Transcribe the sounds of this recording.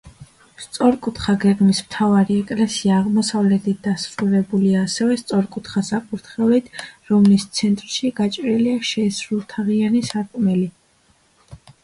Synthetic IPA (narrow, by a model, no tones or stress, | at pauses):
st̪sʼɔɾkʼut̪χaɡɛɡmismt̪ʰavaɾiɛkʼlɛsiaːʁmɔsavlɛt̪ʰit̪̚ʰd̪asɾuɾɛbuliaːsɛvɛst̪sʼɔɾkʼut̪ʰχasapʼuɾt̪ʰχɛlit̪ʰɾɔmlist̪sʰɛnt̪ʼɾʃiɡ̥at͡ʃʼɾiliaʃɛisɾulˠt̪ʰaʁianisaɾkʼmɛli